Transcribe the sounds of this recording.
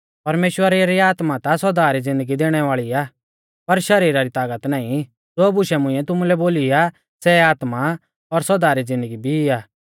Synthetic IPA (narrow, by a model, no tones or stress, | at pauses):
pɐɾmeːʃwəɾeɾiaːt̪mat̪asɔd̪aːɾid͡zɪ̃nd̪əɡid̪eːɽ̃ɛʋaːɭiaː | pɐɾʃɐɾiːɾaɾit̪aːɡət̪naːĩ | d͡zoːbʊʃɛmʊ̃ĩɛ̃t̪ʊmulɛboːlia | sɛaːt̪ma | ɔɾsɔd̪aːɾid͡zɪ̃nd̪əɡibʱiaː